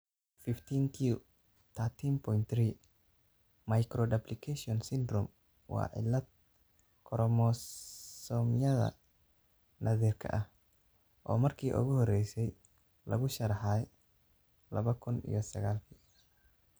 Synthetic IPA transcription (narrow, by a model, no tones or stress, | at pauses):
fɪft̪ʰiːŋk̪ʰu | t̪ʰaːt̪ʰiːmpʰɔjnt̪riː | mɐjkɾɔd̪ɐblɪkʰɛʃiɔnsɪnd̪ɾɔm | wɑ̰ːʕɪ̰lːɐd̪̚ | kʰɔɾɔmɔsɔːmjɐðɐ̰ | nʔɐðiːrkʰɐ̰ʔɐh | ʔɔ̰ːmɐrkʰiːʔʊ̰ɣʊhɔrɛjsɛj | lɐ̰ɣʊʃɐɾɑħaːj | lɐβɐkʰʊnḭjɔsɐɣaːlkʰiː